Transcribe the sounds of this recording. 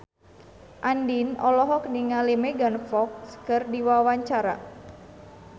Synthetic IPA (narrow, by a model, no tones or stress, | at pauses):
ʔandinɔlɔɦɔkniŋalimɛɡanfɔk̚skərdiwawaɲt͡ʃaɾa̰